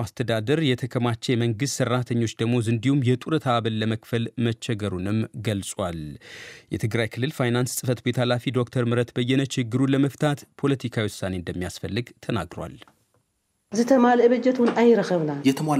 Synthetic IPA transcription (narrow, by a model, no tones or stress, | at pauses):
ast̪ʰəd̪ad̪əɾjɛt̪ʰəkʰəmat͡ʃːɛməŋɡɨst̪sərːat̪ʰəɲːo̞t͡ʃːd̪əɡmo̞zɨnd̪ihumːjɛt̪ʼuɾət̪ʰaːβəlləməkfəlmət͡ʃːɛɡəɾunɨmɡəlsʼwaljɛ̰t̪ʰɨɡɾajkʰɨlːɨlfajnanssʼɨfət̪bet̪ʰalafid̪o̞kt̪ʰəɾmɨɾət̪bəjːɛnət͡ʃʰɪɡːɨɾuləməft̪ʰat̪pʰo̞lət̪ʰikʰawiwʊsːane̞ɨnd̪əmːijasfəlːɨɡt̪ʰəna̰ɡɾowa̰l | zət̪ʰəmalʔɨβɨd͡ʒɛt̪wʊnajɪɾəxəβɨnaljɛt̪ʰəma